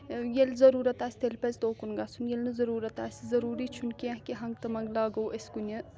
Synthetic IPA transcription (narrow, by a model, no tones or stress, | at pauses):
jelzɐɾuːɾɐt̪aːsʲt̪elʲpɐzʲd̪oːkunɡasʰunjelnɨzɐɾuːɾɐt̪aːsʲzɐɾuːɾit͡ʃʰunkeɦkiɦɐŋɡt̪ɐmɐŋɡlaːɡɐwʔɐsʲkunʲɐ